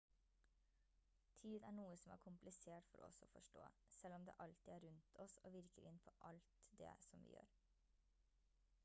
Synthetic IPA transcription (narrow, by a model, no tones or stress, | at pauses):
t̪ʰyːd̪æːɳuːəsɔmæ̰ːɾkʰʊmplɪseːʈfɔɾːɔsɔfɔʃʈo̰ː | sɛlɔmd̪ḛːʔɑlt̪iːæːɾʉnt̪ʰɔsoːʋɪɾkəɾɪnpʰoːʔɑlt̪d̪ḛːsɔmʋḭːjø̰ːɾ